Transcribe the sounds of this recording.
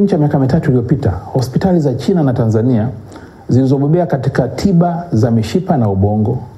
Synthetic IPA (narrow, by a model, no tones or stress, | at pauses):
ɲ̩t͡ʃiamiakamitatuilijɔpita̰hɔspitalizat͡ʃinanatanzania | zilizɔɓɔɓɛakatikatʰiɓazamiʃipanauɓɔŋɡɔ